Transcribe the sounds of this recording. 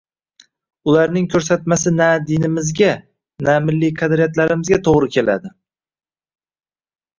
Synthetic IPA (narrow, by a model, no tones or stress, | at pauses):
ʊlaɾnɪŋkʲʰɵɾsat̪masɪnad̪ɪnɪmɪzɡʲa | namɪlːikʰɑd̪ɾijat̪laɾɪmɪzɡʲat̪ʰoʁɾɪkʲʰe̞la̰d̪ɪ